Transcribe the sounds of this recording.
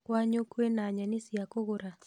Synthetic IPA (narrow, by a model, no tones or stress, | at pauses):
kwaɲokwenaɲanɪsiakoɣoɾa